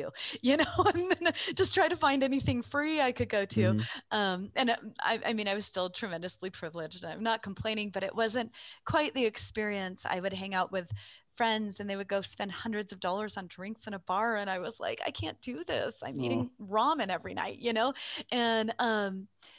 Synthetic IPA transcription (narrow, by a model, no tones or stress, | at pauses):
ʉjɨnoʊɨ̃nðɨ̃nd̥d͡ʒ̥ʌstʰɹ̥aɪɾɨfãɪ̃ndɛniθɪ̃ŋfɹiaɪkɨd̚ɡoʊɾʉʔʌ̃mʔɨ̃na̰ɪʔa̰ɪmĩñaɪwʌz̥stɪlˠtʰɹ̥ɨmɛ̃ndɨslipʰɹ̥ɪvlɪd͡ʒdɨ̃nãɪ̃mnət̚kʰm̩pʰl̥ẽɪ̃ɾnɪ̃ŋbʌɾɨ̰ʔwʔʌzɨ̃nkʰw̥aɪt̪̚ðiɨkspɪɹiɨ̃nsa̰ɪwɨd̚ɦæ̃ŋaʊʔ̚wɨð̥fɹɛ̃ndzɨ̃nðeɪwɨd̚ɡoʊspɛ̃nd̥̚hʌ̃ndɹɨdzʌvdɔlˠə˞zn̩dɹɪ̃ŋksɨ̃ñəbɑɹɨ̃ñaɪwʌz̥la̰ɪka̰ɪkʰæ̃nd̥ɨðɪ̰sã̰ɪ̃miɾɪ̃ŋɹɔ̃mɨ̃nɛvɹina̰ɪʔ̚jɨnoʊʔɨ̃nʌ̃m